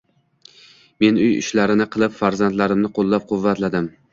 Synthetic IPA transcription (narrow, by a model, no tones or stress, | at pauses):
me̞nʊjʊ̰ʃlaɾɪnɪqʰɨlˠɪpfaɾzant̪laɾɪmnɪqʰolˠːap̚qʰʊvːat̪lad̪ɪm